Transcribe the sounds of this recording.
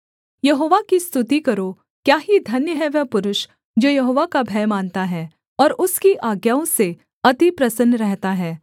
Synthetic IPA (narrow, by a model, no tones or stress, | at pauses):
jɐɦoːʋakist̪ʰʊt̪ikɐɾo | kjaːɦid̪ʱɐnjəɦɛʋɛpʊɾʊʃ | d͡ʒoːjɐɦoːʋakabʱɛːmaːnt̪aɦɛː | ɔːɾʊskiʔaːɡjaːõse | ɐt̪ipɾɐsənːɾɛɦt̪aɦɛː